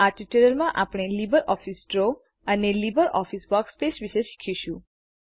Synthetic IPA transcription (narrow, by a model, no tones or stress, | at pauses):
aɾʈiʈeɾəlmãʔapɽ̃elibəɾʔɔfisʈɾo | ənelibəɾɔfisbɔkspesʋiʃeʃi̥kʰiʃũ